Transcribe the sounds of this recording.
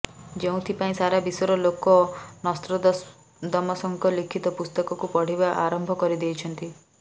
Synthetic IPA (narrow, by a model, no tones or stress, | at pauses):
d͡ʒeũt̪ʰipaĩsaɾabisɔɾɔlokɔnɔst̪ɾɔd̪ | d̪ɔmɔsɔŋkɔlikʰit̪ɔpust̪ɔkɔkupɔɽ̤ibaʔaɾɔmbʱɔkɔɾid̪ejt͡ʃʰɔnt̪i